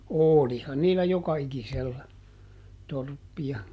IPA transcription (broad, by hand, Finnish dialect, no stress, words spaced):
oˑlihɑn niːlːæ jokɑikiselːæ torpːiɑ